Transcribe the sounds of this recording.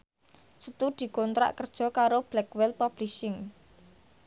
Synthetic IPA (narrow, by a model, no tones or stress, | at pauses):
sət̪ud̪̥i̤kɔnt̪ɾa̰ʔkərd̥ʒ̥ɔ̤kaɾob̥lɛkwɛlpab̥liʃɪŋ